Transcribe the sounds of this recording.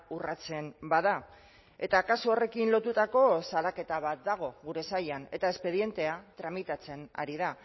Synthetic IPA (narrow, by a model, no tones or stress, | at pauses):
urat͡se̞mbaða | e̞t̪akasuore̞kinlo̞t̪ut̪ako̞salake̞t̪aβat̪̚d̪aɣ̞o̞ɣuɾe̞sajane̞̰t̪ae̞spe̞ðje̞nt̪e̞at̪ɾamit̪at͡se̞na̰ɾiða